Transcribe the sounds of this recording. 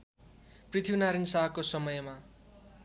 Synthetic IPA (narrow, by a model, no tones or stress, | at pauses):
prit̪ʰibinaɾinsaɦʌkosʌmʌjma